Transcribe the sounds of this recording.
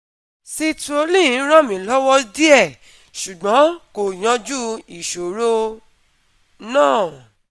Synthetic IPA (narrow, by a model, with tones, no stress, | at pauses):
si˧tu˧o˧˦lĩ˦˨˦ɾɔ̃˦˨mĩ˨˦˨lɔ˦wɔ˦di˦ɛ˦˨ | ʃu˨ɡ͡bɔ̃˨˦ko˨j̃ã˧˦d͡ʒu˦i˨ʃo˨ɾo˦ | nãː˦˨